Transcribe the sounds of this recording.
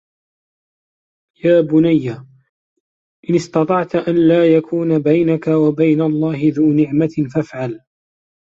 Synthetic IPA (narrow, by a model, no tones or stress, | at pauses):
jaːbʊnajːa | ʔɪnɪst̪ɑt̪ˤɑʕt̪ʔanlaːjakʰuːnabajnakawabajnalˤːɑːhɪðuːnɪʕmafafʕal